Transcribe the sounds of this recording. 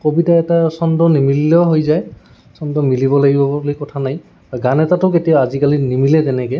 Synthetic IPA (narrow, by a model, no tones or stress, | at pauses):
kobitaɛtasɔndɔnimilːɔɦojzaj | sɔndɔmilibɔlaɡibɔblikɔtʰanaj | aɡanɛtatʊketijaazikalinimilɛzɛnɛkɛ